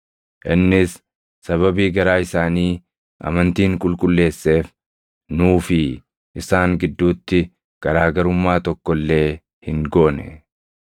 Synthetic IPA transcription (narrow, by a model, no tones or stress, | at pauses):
ʔɪnːɪsː | ɐβɐbiːɡɐɾaːɪsaːniː | ʔɐ̰mɐnt̪iːŋkʼʊlkʼʊlːe̞ːsːe̞ːf | nuːfɪ | ʔɪsaːŋɡɪd̪ːuːt̪ːɪ | ɡ̥ɐɾaːɡɐɾʊmːaːt̪ɔkːɔlːe̞ː | hɪŋɡoːnɛ̰